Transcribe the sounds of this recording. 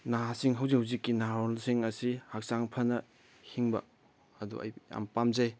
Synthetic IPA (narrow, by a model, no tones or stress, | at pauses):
naɦasiŋɦawzik̚hawzikːinaɦɾonlsiŋɐsihak̚saŋpʰɐnɐ | hiŋbɐ̰ | ɐdṵɐ̰jja̰mpamzaj